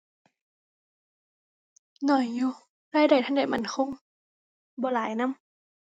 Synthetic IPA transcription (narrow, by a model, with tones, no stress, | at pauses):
nɔ˨˩˦jːuː˧ | laː˧˩˨jda˨˩jt̪ʰa˧˥˨nda˨˩jma̰˧˦nkʰo˧˥˨ŋ | bɔː˨˦laː˨˦jna˧˥˨m